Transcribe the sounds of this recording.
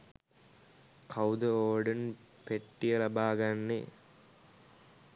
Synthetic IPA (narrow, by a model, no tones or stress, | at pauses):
kʰɐwd̪ɐoːɖən | peʈːijɐlɐbaːɡɐnːe